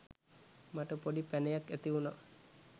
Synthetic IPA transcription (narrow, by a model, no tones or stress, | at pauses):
maʈəpoɖipænejakːæt̪iʋuna